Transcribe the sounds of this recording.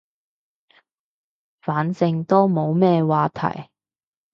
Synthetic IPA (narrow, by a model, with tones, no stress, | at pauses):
faː˨˥nsɪ˧ŋt̪o˥wmo˨˧wmɛː˥˧waː˧t̪ʰɐ̰˨˩j